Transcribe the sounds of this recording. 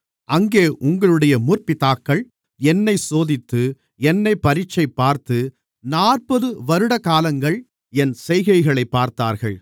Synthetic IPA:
ʔɐŋɡeːʔʊŋɡɐɭɯɽɐjɐmurpɪt̪aːkːɐɭ | ɛnːɐɪsoːðɪt̪ːɯ | ɛnːɐɪpːɐɾɪt͡ʃːɐɪpːaːɾt̪ɯ | naːrpɐðɯʋɐɾɯɽɐkaːlɐŋɡɐɭ | ɛnsɛjɣɐɪɣɐɭɐɪpːaːɾt̪a̰ːɾɣɐɭ

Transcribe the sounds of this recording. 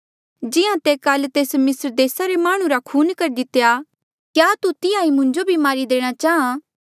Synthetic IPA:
d͡ʒɪãt̪eːkɐlt̪eːsmɪsɾd̪eːsaɾemaːɽ̃ũɾakʰuːnkɐɾd̪ɪt̪eja | kjaːt̪ut̪ɪjãːĩmʊ̃ɲd͡ʒobʱimaːɾid̪eːɽ̃at͡ʃaːã

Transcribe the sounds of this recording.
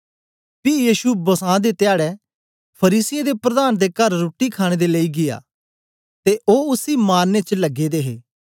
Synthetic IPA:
pijiːʃubɐsãːd̪et̪ɪjaːɽɛ | pʰɐɾiːsɪjẽd̪epɾɐd̪aːnd̪ekɐɾːoːʈːikʰaːɽ̃eːd̪eləiɡɪja̰ː | t̪eʔoːʊsimaːɾnet͡ʃəlɐɡːed̪eːɦḛː

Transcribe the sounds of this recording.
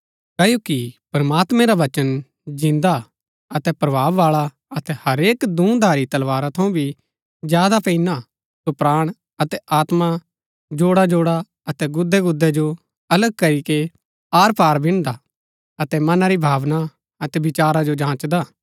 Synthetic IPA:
kɐːjokipɾɐmaːt̪mɛ̃ɾaʋɐt͡ʃən | d͡ʒɪ̃nd̪a | ɐt̪ɛpɾɐbʱaːʋːaːɭa | ɐt̪ɛhɐɾeːkd̪ũːd̪ʱaːɾit̪ɐlʋaːɾat̪ʰɐũbʱi | d͡ʒjaːd̪apɛina | sopɾaːɽ̃ | ɐt̪ɛʔaːt̪ma | d͡ʒoːɽad͡ʒoːɽa | ɐt̪ɛɡʊd̪ʱːɛɡʊd̪ːɛd͡ʒo | ɐləɡ̚kɐɾike | aːɾpaːɾbʱɪ̃ɽ̃d̪a | ɐt̪ɛmɐnaɾibʱaːʋna | ɐt̪ɛbɪt͡ʃaːɾad͡ʒod͡ʒãːt͡ʃd̪aː

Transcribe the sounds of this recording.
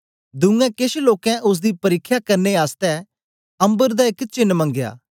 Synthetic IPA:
d̪ʊ̃ŋɡɛ̃kɪʃloːkɛ̃ʔʊs̬d̪ipɐɾɪkʰːjakɐɾneaːst̪ɛ | ɐ̃mbəɾd̪aɪkt͡ʃɪnːmɐ̃ŋɡja̰ː

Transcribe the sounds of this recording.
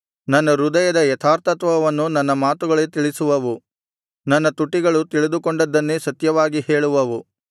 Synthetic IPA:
nɐnːɐɾud̪ɐjɐd̪ɐjɛt̪ʰaːɾt̪ɐt̪ʋɐʋɐnːunɐnːɐmaːt̪uɡɐɭet̪iɭisuʋɐʋu | nɐnːɐt̪uʈːiɡɐɭut̪iɭid̪ukoɳɖɐd̪ːɐnːesɐt̪jɐʋaːɡiheːɭuʋɐʋu

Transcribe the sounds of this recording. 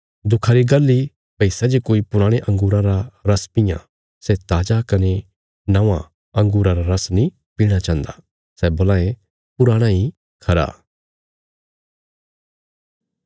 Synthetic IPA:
d̪ʊkʰaɾiɡɐlːi | bɐiːsad͡ʒikoːipʊɾaːɽ̃eʔɐ̃ŋɡuːɾãɾaɾɐspɪjã̰ | sɛt̪aːd͡ʒakɐne | nɐ̃ʋã | ɐ̃ŋɡuːɾãɾaɾɐsnĩ | piːɽ̃at͡ʃãːnd̪a | sɛboːlãːẽ | pʊɾaːɽ̃ãi | kʰɐɾa̰ː

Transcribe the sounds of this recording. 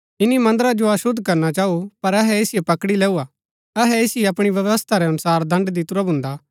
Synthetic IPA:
ɪnimɐ̃nd̪əɾad͡ʒoɐsʊd̪ʱːkɐɾnat͡ʃaːupɐɾɐɦɛesɪjepɐkɽilɛːua | ɐɦɛesɪeɐpɽ̃iʋjɐʋəst̪ʰaɾɛɐnʊsaːɾd̪ʱɐ̃ɳɖd̪it̪ʊɾabʱʊ̃nd̪aː

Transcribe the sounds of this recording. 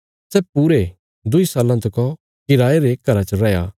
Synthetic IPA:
sɛːpuːɾe | d̪ʊisaːlãt̪ɐkɔ̃ | kɪɾaːeɾeːk̚ɡɐɾat͡ʃəɾɛjaː

